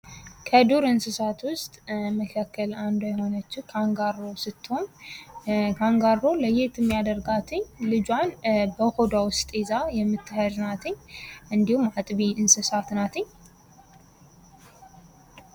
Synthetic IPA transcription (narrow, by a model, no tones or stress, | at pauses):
kʰəd̪uɾɨnsɨsat̪wʊst̪ʼməkʰakːəland̪ojɛho̞nət͡ʃːɪwkʰaɡaɾosɨt̪ːɨhoɲ | kʰaŋɡaɾːo̞ləjet̪ʰɨmːijad̪əɾɡat̪ʰɨɲlɨd͡ʒwanbəhod̪awʊst̪ʼezajɛmːɨt̪ʰːɨhəznat̪ʰɨɲːʔɨnd̪ihumat̪ʼβiɨnsɨsat̪nat̪ʰɨɲː